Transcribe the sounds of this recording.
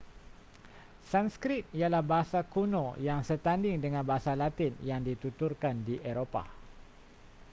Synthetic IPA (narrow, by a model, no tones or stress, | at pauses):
sanskɾɪt̪̚ialahbaɦasakunojaŋsət̪andɪŋdəŋãnbaɦasalat̪ɪnjaŋdit̪ut̪urkandiʔeɾopa̰